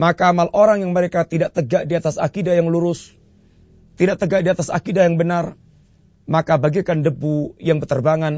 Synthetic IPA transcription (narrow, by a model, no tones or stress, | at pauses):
makaːmalʔoɾaŋjaŋməɾekat̪idaʔt̪əɡaʔdiat̪asa̰kidajaŋluɾʊs | t̪idaʔ̚t̪əɡaʔ̚diat̪asa̰kidajaŋbənar | makabaɡikandəbujaŋbət̪ərbaŋan